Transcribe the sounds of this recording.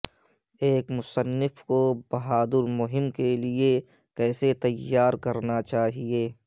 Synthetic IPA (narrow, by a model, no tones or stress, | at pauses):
eːkmʊsənːɪfkobɐɦaːd̪ʊɾmʊɦɪmkelie | kɛːset̪ɐjːaːɾkɐɾnat͡ʃaːɦieː